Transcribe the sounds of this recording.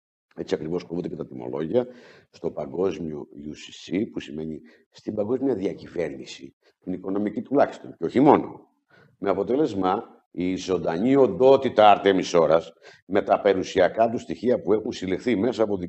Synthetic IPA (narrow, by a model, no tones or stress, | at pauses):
e̞t͡siɐkɾivo̞skovund̪ecet̪ɐt̪imo̞̰lo̞ʝiɐst̪o̞pɐɡo̞zmio̞̰jusi̥sipusime̞ɲi | st̪ibɐŋɡo̞zmiɐðiɐcive̞ɾnisi | t̪iniko̞no̞micit̪ulɐçi̥st̪onceo̞çimo̞no̞̰ | me̞ɐpo̞t̪e̞le̞zmɐ | izo̞nd̪ɐɲio̞nd̪o̞t̪it̪ɐɐɾt̪emiso̞ɾɐs | me̞t̪ɐpe̞ɾusiɐkɐt̪ust̪içiɐpue̞xunsilexθime̞sɐːpoði